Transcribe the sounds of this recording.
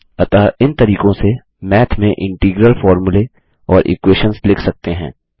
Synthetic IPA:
ɐt̪aɪnt̪ɐɾiːkõse | mɛːt̪ʰmẽʔɪ̃ɳʈiːɡɾəlfɔːɾmʊle | ɔːɾʔɪ̰kweːʃənslɪkʰsɐk̚t̪eɦɛ̃ː

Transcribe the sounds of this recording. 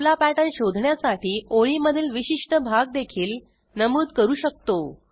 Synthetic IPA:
lapæʈənɕod̪ʱɳjasaʈiːʔoɭiməd̪ʱiːlʋiɕiʂʈəbʱaɡ̚d̪ekʰiːl | nəmuːd̪kəɾuːɕək̚t̪o

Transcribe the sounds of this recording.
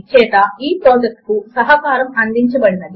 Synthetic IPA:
t͡ʃɛːʈ̪ɐiːpɾoːd͡ʒek̚ʈkusɐɦɐkaːɾɐmɐnd̪iɲt͡ʃɐbɐɽnɐd̪i

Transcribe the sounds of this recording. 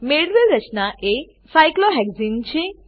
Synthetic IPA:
meɽɾeɾət͡ʃnaʔe | sajkloɦɛɡzint͡ʃʰe

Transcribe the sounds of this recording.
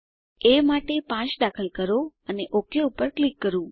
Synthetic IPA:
emaʈepãt͡ʃɖakʰəlkəɾoəneʔokeupəɾklikːəɾũ

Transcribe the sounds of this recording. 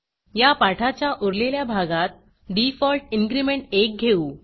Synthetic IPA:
japaʈʰat͡ɕjaʔuɾleljabʱaɡat̪̚ | ɖifɔlʈinɡɾimeɳʈek̚ɡʱeu

